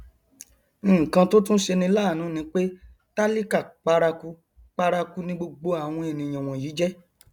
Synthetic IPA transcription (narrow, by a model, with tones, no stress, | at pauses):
kã˧to˦tũ˦ʃe˧nĩ˧˦laː˦˨nũ˨˦nĩ˨˦k͡pe˦ | ta˦li˦ka˦˨k͡pa˧ɾa˧ku˦ | k͡pa˧ɾa˧ku˦nĩ˧ɡ͡bo˧ɡ͡bo˧a˨w̃ɔ̃˧e˨nĩ˨j̃ã˨w̃ɔ̃˨jiː˨˦d͡ʒɛ˦